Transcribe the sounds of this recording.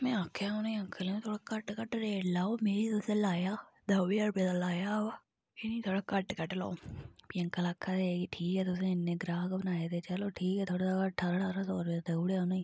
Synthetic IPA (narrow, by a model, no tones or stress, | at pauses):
mɛ̃ːakʰːjaoːnaiəŋkʰəleːt̪ʰoːɽaːkəʈkəʈɾeːlaːoːmeːɾiːt̪ʊsẽlaːjaː | d̪əːʋeːəɾpeːd̪aːlaːjaːɦoːa | ɪniːt̪ʰoːɽaːkəʈkəʈla̰ːopijə̃ŋkəlaːkʰːaːd̪ekːʈʰiːkɛːt̪ʊsẽːɪnːẽːɡɾaːkbənaːed̪eːt͡ʃəloːʈʰiːkɛːt̪ʰoːɽaːsakəʈʰːaːɾaʈaːɾaːsoːɾbeːat̪ːuːɽeːoːnaiː